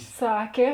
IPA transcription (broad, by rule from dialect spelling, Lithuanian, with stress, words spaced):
ˈsɑːkʲeː